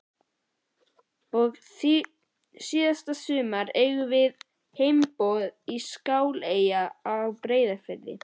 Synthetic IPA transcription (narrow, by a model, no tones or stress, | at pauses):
ɔɣ | siːðast̪asʏːmaɾejɣʏvɪð | hejmpɔðiskaːwlejaːawpɾeːjðaɾfɛlːɪ̰